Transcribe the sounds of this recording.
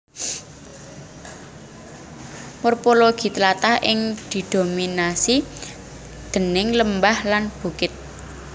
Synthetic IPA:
mɔrpoloɡ̥i̤t̪əlat̪ahʔɪŋd̪̥i̤d̪̥o̤minasi | d̪̥ə̤nɪŋləmbahlanb̥ukɪt̪̚

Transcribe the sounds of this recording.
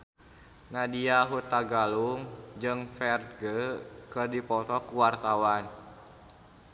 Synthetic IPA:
nadiaɦut̪aɡaluŋd͡ʒɨŋfɛrt̪̚ɡəkɨrdipɔt̪ɔkuwart̪awan

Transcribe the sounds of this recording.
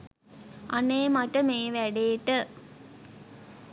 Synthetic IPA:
ʔa̰neːmaʈəmeːʋæɖeːʈə

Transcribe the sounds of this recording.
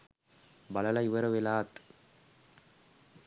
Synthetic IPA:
bɐlɐlɐiʋəɾəʋelaːt̪

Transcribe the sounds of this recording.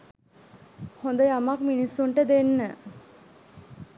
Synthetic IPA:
hond̪əamakminisːuɳʈəd̪enːə

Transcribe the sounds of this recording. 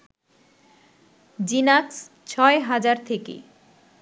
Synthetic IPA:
d͡ʑinaks | t͡ɕʰɔeɦad͡ʑaɾt̪ʰekḛ

